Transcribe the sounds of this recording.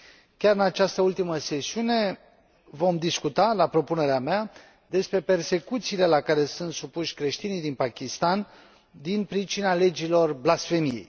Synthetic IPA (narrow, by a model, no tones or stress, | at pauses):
kʲaɾɨnat͡ʃast̪əult̪iməse̞siune̞ | vo̞md̪iskut̪alapɾo̞pune̞ɾeamea | d̪e̞spɾe̞pe̞rse̞kut̪siːle̞lakaɾe̞sunt̪supuʃʲkɾe̞ʃt̪inijd̪inpakʲist̪an | d̪inpɾit͡ʃinale̞d͡ʒilo̞rblasfe̞mijḛj